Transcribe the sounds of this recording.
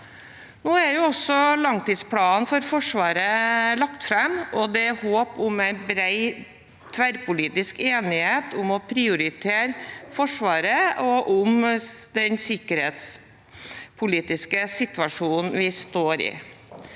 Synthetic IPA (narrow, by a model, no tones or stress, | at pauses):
noːæɾjʊɔsːɔlɑŋt̪iːd̪spʰlɑːnfɔɾfɔʂʋɑːɾəlɑkt̪fɾɛmɔd̪ɛhoːpʊmæɪnbɾæɪ | t̪ʰʋæɾpʊliːt̪ɪskeːnɪheːt̪ʰʊmɔpʰɾɪʊɾɪt̪ʰeːɾfɔʂʋɑːɾəɔʔʊmd̪ɛnsɪkːəɾheːt̪s | pʰʊliːt̪ɪskəsɪt̪ʋɑʂuːnn̩ʋɪst̪oːɾɪ̰